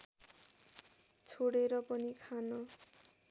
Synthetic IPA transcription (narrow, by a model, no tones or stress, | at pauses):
t͡sʰoɽeɾʌpʌnikʰanʌ